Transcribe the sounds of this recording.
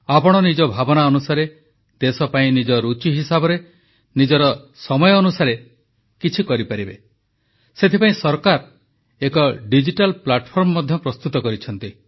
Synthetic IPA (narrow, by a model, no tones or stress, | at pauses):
apɔɽ̃ɔnid͡ʒɔbʱabɔnaɔnusaɾe | d̪̥esɔpaĩnid͡ʒɔɾut͡ʃiɦisabɔɾe | nid͡ʒɔɾɔ | sɔmɔjɔːnusaɾe | kit͡ʃʰikɔɾipaɾibe | set̪ʰipaĩsɔɾkaɾ | ekɔɖid͡ʒiʈalplaʈɔpʰɔɾmɔmɔd̪ʱjɔpɾɔst̪ut̪ɔkɔɾit͡ʃʰɔnt̪i